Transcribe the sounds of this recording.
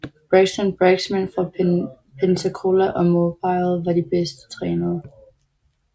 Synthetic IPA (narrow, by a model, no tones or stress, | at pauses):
b̥ʁeɡ̥sənb̥ʁɛɡ̥smænfɒ | pʰent͡sʰəkʰo̝læʔɒ̽mob̥ɑɪlʋɑ̈ɾib̥esd̥ə̥t͡sʰʁɛːnɐː